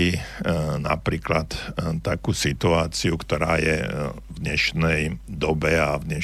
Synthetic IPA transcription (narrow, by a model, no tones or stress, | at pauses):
inapɾiːklat̪t̪akuːsit̪uaːt͡siukt̪ɔɾaːjɛ̰vd̪ɲɛʃnɛjd̪ɔbɛavdɲɛ